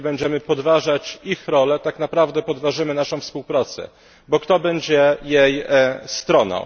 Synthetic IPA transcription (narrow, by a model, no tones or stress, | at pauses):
bɛɲd͡ʑɛmɘpɔd̪vaʐat͡ɕixɾɔlɛt̪aknapɾavd̪ɛpɔd̪vaʐɘmɘnaʂɔ̃w̃fspuwpɾat̪sɛ̰ | bɔkt̪ɔbɛɲd͡ʑɛjejst̪ɾɔnɔ̰